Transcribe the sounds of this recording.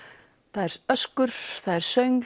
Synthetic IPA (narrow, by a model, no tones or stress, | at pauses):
θaðɛɾ̥œskʏɾ̥θaðɛɾ̥sœɥŋ